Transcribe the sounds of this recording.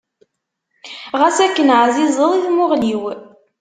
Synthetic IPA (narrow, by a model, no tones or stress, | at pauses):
ʁæsækːənʕzizˤəðˤiθmʊʁliw